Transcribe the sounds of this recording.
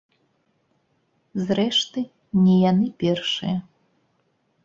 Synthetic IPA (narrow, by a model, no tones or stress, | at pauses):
zrɛʂt̪ɨ | nʲɛjanɨpʲɛrʂɨ̰jɐ